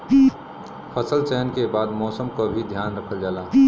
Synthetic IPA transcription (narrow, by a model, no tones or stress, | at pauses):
pʰəsəlt͡ʃɛɦənkebaːd̪mɔːsəmkobʱid̪ʱjaːnɾəkʰəld͡ʒaːlaː